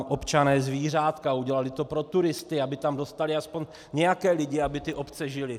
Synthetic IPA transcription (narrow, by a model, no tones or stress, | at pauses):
ʔopt͡ʃanɛːzviːr̝aːt̪kauɟɛlalɪt̪o̞pɾo̞t̪uɾɪst̪ɪabɪt̪amdo̞st̪alɪaspoɲ | ɲɛjakɛːlɪɟɪabɪt̪ɪʔopt͡sɛʒɪlɪ